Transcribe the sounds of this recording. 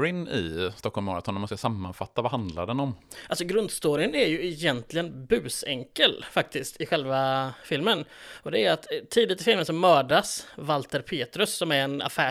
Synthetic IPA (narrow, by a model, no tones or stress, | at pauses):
ɾɪnɪ̰st̪ɔkʰːɔlmɑːɾat̪ʰɔnːmanskasamːanfat̪ːavahand̪la̰ɖɛnɔmʔalsɔɡɾɵnd̪st̪oːɾɪənæɾjɵɪjɛnt̪ʰlɪɡənbʉ̟ːsɛŋkəlfak̚t̪ɪskt̪ʰɪɧɛlvafɪlmənɔd̪ɛæɾjat̪ʰːiːd̪ɪt̪ɪfɪlmənsɔmːœːɖasvalt̪əɾpʰeːt̪ɾɵsːɔmæɾɛna̰fæː